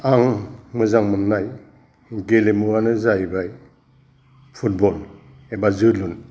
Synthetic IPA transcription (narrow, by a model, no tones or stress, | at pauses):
aŋmɯzaŋmɯnnaj | ɡelemuwanɯzajbaj | pʰut̚bɔl | ebazɯlun